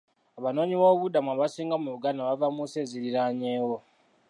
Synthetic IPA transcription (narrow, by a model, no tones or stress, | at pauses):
aβano̞ːɲiβo̞ːβudamuaβasiːŋɡamuβuɡanaβavamuseziɾiɾaɲeːwo